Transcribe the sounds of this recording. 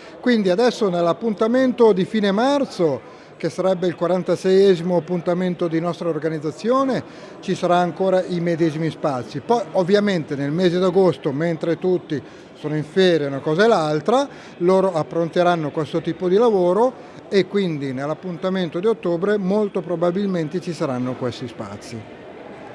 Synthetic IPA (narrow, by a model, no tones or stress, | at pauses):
kwind̪iad̪ɛsːonelːapːunt̪ament̪od̪ifiːnemart̪so | k̟esːaɾɛbːeilkwaɾant̪asɛjɛːzimoapːunt̪ament̪od̪inɔst̪ɾaorɡanid̪zːat̪sːjoːne | t͡ʃisaɾaːŋkoːɾaʔimed̪ɛːzimispat̪sːipɔjovːjament̪enelmeːzed̪aɡost̪oment̪ɾet̪ut̪ːi | soːnoiɱfɛːɾjaunakɔːzaelːalt̪ɾa | loːɾoapːɾont̪eɾanːokwest̪ot̪iːpod̪ilavoːɾo | ekːwind̪inelːapːunt̪ament̪od̪iot̪ːoːbɾemolt̪opɾobabilment̪et͡ʃisaɾanːokwest̪ispa̰t̪sːi